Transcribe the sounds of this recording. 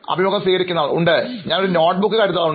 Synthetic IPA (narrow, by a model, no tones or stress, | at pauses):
ɐ̰bʱimoɣkːɐsiːɣɐɾikʲːunːaːɭṵɳɖɨɲaːnoɽɾenoːʈ̚bukːɨkaːɾjt̪ːaːɭuɳ